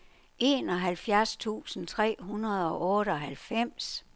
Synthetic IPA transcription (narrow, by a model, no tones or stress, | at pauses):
ʔe̝ːnɒ̽ɦælfjæɐst͡sʰṵːsn̩t͡sʰʁɛ̰ːɦunɐð̞̩ˠɒ̽ʔɔ̽ːɾ̥əɒ̽ɦælfem̰s